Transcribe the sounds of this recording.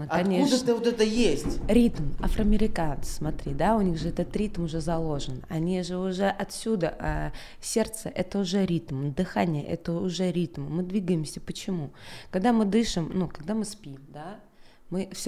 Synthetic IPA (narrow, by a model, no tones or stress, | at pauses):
əɐɐnnʲeudd̪ət̪ɨvot̪ɛt̪əjesʲtʲɾʲit̪mafɾəɐmʲɪɾʲɪkant̪sɨ̥smɐt̪ɾʲid̪aʊnʲiɣʐɨɛt̪ət̪ɾʲit̪mʊʐɛzɐlˠo̞ʐɨnɐnʲiʐɨʊʐɛʔɐt̪sʲud̪əʔa | sʲe̞rt̪səʔɛt̪əʊʐɛɾʲit̪md̪ɨxanʲɪjə̰ʔɛ̰t̪əʊʐɛɾʲit̪mɨːɨd̪vʲiɡəjɪmsʲəpət͡ɕɪmukkɐɡd̪amɨd̪ɨʂɨmnukɐɡ̚d̪amɨspʲimd̪a | mɨfsʲ